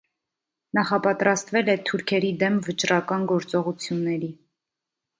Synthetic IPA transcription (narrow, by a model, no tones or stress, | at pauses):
nɑχɑpɑt̪ɾɑst̪vɛlɛt̪ʰuɾkʰɛɾid̪ɛmvət͡ʃɾɑkɑnɡɔɾt͡sɔʁut͡sʰjunːɛɾi